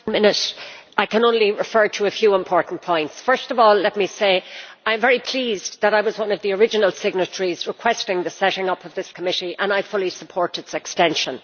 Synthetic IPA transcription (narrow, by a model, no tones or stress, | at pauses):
mɪ̃nɪɾaɪkə̃nõʊ̃nliɹɪfɜ˞ɾʰəəfjʉɪ̃mpʰɔɹʔn̩pʰɔ̃ɪ̃ntsfɜ˞stʌvɔːllɛt̚miseɪãɪə̃ɱvɛɹipʰl̥iːzðəɾaɪwʌzwʌ̃nʌvðiə˞ɪd͡ʒənəl̩ˠsɪɡ̚nət͡ʃəɹizɹɪkʰw̥ɛstɪ̃ŋðəsɛɾɪ̃ŋʌpʌvðɪskʰəmɪɾiʔə̃naɪfʊlˠisəpʰɔɹɾɪtsɛkstɛ̃nʃə̃n